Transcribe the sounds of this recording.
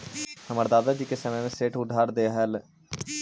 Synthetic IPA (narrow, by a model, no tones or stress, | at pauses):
həməɾd̪aːd̪ad͡ʒiːkesəmẽneseːʈʰʊɖʱaːɾd̪eːɦəl